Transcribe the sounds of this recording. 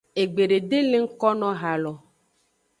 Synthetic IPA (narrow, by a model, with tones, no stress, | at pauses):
e˨ɡ͡be˨ɖe˨ɖe˦le˦ŋ̩˦kɔ˦nɔ̃˦ɦa˨lɔ˨